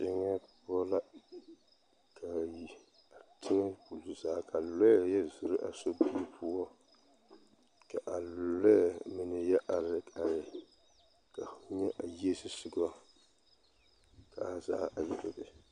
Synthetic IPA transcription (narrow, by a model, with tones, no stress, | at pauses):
t͡ʃɪ˦ŋɛ˦pʊ˦ɔ˦la˦ | kʰa˨ji˨ | a˨tʰɪ˦ŋɛ˦pu˨lu˨zaː˦ka˨lɔ˦˨jɛ˦zʊ˨ɾɪ˦ʔa˨so˦bi˦pʰʊ˦ɔ˦ | ka˨ʔa˨lʊ˨lɛ˦˨mɨ˨nɨ˨jɛ˦ʔa˨ɾɪ˨ka˨ɾɪ˨ | ka˨˦ɲɛ˦ʔa˨je˦sɪ˦sʊ˨ɡɔ˦ | ka˨za̰˦a˨jɛ˨bɔ˦bɪ˨